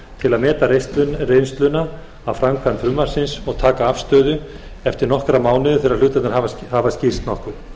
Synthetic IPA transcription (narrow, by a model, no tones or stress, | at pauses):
t̪ʰɪlaðmɛːt̪aɾesrejnst̪lʏnːa | awfɾamkʰanfɾʏmːaɾ̥sɪnsɔɣt̪ʰaːkaafst̪œːðʏ | ɛft̪ɪɾnɔhkɾamaːwnɪðɪθɛːɾaɾlʏːt̪at̪nɪɾavhaːvascir̥st̪nɔhkʏ̥